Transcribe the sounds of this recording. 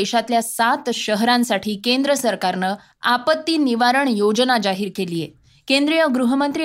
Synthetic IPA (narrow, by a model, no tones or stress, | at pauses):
eɕat̪ljasat̪ɕəɦɾãnsaʈʰiːkend̪ɾəsəɾkaɾnəː | apət̪ːiːniʋaɾəɳjod͡znad͡ʑaɦiːɾkelijḛ | kend̪ɾijəɡɾuɦəmənt̪ɾi